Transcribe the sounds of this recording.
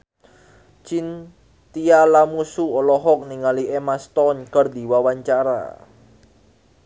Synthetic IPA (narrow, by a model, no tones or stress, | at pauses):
t͡ʃin | t̪ialamusuɔlɔɦɔk̚niŋaliʔemast̪ɔnkərd̪i̤wawaɲt͡ʃaɾa̰